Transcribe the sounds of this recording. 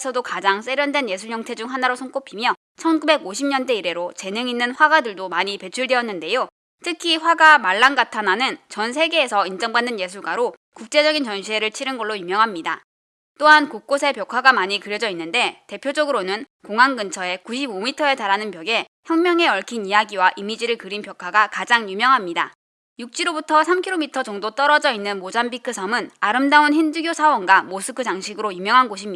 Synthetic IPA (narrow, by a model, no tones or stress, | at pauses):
sʰʌdokad͡ʑaŋs͈e̞ɾjʌndwe̞nje̞s̬ʰuɭjʌŋtʰe̞d͡ʑuŋɦanaɾosʰʌŋk͈opʰimjʌ | t͡ɕʰʌnɡube̞ɡoɕʰimɲʌnde̞iɾe̞ɾot͡ɕe̞nɯŋinːɯnɸwaɡadɯɭdomaɲipe̞t͡ɕʰuɭdeʌnːɯnde̞jo | tʰɯkʰiɸwaɡamaɭːanɡatʰananɯnt͡ɕʌnsʰe̞ɡe̞ːsʰʌind͡ʑʌŋbanːɯnje̞s̬ʰuɭɡwaɾo | kuk̚t͡ɕ͈e̞d͡ʑʌɡint͡ɕʌnɕʰiɦe̞ɾɯɭt͡ɕʰiɾɯnɡʌɭːoimjʌŋɦamɲida | t͈oɦankok̚k͈osʰe̞pjʌkʰwaɡamaɲikɯɾjʌd͡ʑʌinːɯnde̞te̞pʰjod͡ʑʌɡɯɾonɯnkoŋɦanɡɯnt͡ɕʰʌe̞kuɕʰibomitʰʌe̞taɾɦanɯnpjʌɡe̞ | çjʌŋmʲjʌŋe̞ʌɭkʰinijaɡiwaʔimid͡ʑiɾɯɭkɯɾinpjʌkʰaɡakad͡ʑaŋjumjʌŋɦamɲida | juk̚t͡ɕ͈iɾobutʰʌsʰamkʰiɾomitʰʌd͡ʑʌŋdot͈ʌɾʌd͡ʑʌinːɯnmod͡ʑambikʰɯsʰʌmɯnaɾɯmdaunɦinduɡjosʰawʌnɡamosʰɯkʰɯd͡ʑaŋɕʰiɡɯɾojumjʌŋɦanɡoɕʰim